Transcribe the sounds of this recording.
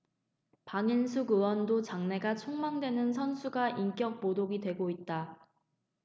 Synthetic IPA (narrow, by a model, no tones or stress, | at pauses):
paŋinsʰuɡɯwʌndot͡ɕaŋne̞ɡat͡ɕʰoŋmaŋdwe̞nɯnsʰʌnsʰuɡaʔiŋk͈jʌk̚podoɡidwe̞ɡoit̚t͈a